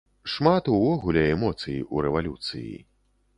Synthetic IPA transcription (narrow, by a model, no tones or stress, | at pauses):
ʂmat̪uvɔɣulʲɛɛmɔt̪sɨjiʔuɾɛvalʲut̪sɨ̰jḭ